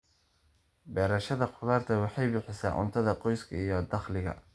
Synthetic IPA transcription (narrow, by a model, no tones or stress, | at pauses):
bɛːɾɐʃɐðɐqʊðaːrt̪ʰɐwɑħɑjbɪħɪsa̰ːʔʊ̰nt̪ʰɐðɐqɔjskʰɐijɔd̪ɑχlɪɣɐ̰